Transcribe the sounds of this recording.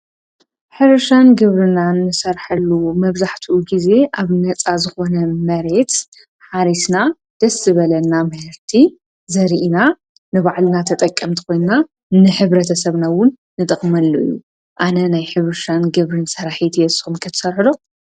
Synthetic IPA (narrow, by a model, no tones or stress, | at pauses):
ħɨβɨʃanɡɨβɾɨnanːɨsɐɾħɐlːumɐβzaħt̪ʰuʔuɡize̞ʔaβnɐt͡sʼazɨxo̞nɐmɐɾe̞t̪ | ħaɾisna | d̪̥ɐsːɨβɐlɐnːamɐhɨɾt̪ʰi | zɐɾiʔina | nɨβaʕlnat̪ʰɐt̪ʼɐkʼːɐmt̪ʰɨ̥ko̞jnna | nɨħɨβɾɐt̪ʰɐsɐβnawʊnːɨt̪ʼɨχʼmɐlːuʔɨ̰jːu | ʔanɐnajħɨβɨʃanɡɨβɾɨnsɐɾaħit̪ʰɛsxumkʰɨt̪ʰɨ̥sɐɾħɨlo̞